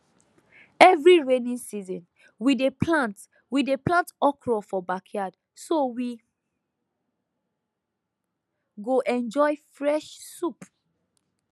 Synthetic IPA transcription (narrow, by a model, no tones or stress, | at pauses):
ɛvɹiɹenĩnsizɔ̃n | wideplãnt | wideplãntɔkɹɔfɔbakʰjad | sowi | ɡoʔɛ̃nd͡ʒɔɪfɹɛʃsup